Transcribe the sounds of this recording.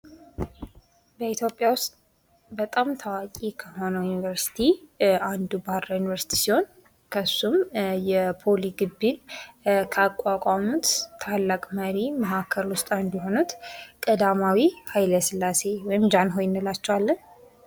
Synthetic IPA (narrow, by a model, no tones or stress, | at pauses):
bəit̪jo̞pʼjawʊst̪ʼ | bət̪ʼamt̪ʰawakʼikʰəho̞nəjunivəɾsi̥t̪ʰiand̪ubahɾajunivəɾsi̥t̪ʰi̥siho̞n | kʰəsːumjɛpʰo̞liɡɨbːinkʰəakʼwakʼamut̪ːʰalːakʼməɾimahakʰːəlwʊst̪ʼand̪iɦo̞nut̪kʼəd̪amawihajləsɨlːase̞wɔjɪmd͡ʒanɦo̞jɪnːɨlat͡ʃːɛwalːən